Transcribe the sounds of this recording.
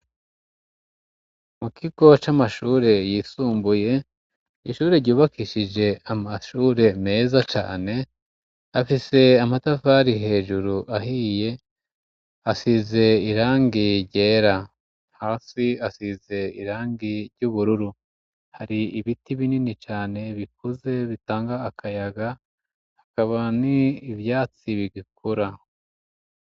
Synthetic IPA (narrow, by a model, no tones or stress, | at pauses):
mukiɡo̞t͡ʃamaʃuːɾe̞jiːsuːmbuje̞ | iʃuːɾe̞ɾɟuːβakʰiʃid͡ʒe̞amaʃuːɾe̞me̞ːzat͡ʃa̰ːne̞ | afise̞amatavaɾiɦe̞ːʒuɾuʔaɦije̞ | asize̞iɾaːŋɡiɾɟe̞ːɾa | haːsiasize̞iɾaːŋɡiɾɟuβuɾuɾu | haɾiiβitiβininit͡ʃaːne̞βik̚uze̞βitaːŋɡaːkajaɡa | hakaβaniːvjaːt͡siβiɡik̚ʰuɾa